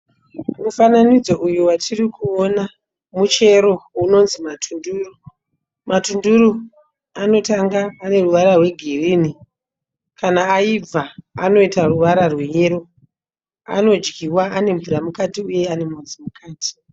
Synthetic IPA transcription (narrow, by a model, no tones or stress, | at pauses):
mufananid͡zo̞ʔujuwatʰirikuona | mut͡ʃe̞ɾo̞uno̞nzimatʰunduːru | matunduɾu | ano̞taŋɡaːne̞ruʋaɾarwe̞ɡʱiriːni | kanaːib͡vaa̰no̞itaruʋaɾarwejeɾo̞ | a̰no̞d͡ʒɡiwaane̞ɱvuramukatiuje̞ane̞mod͡zimukʰaːti̥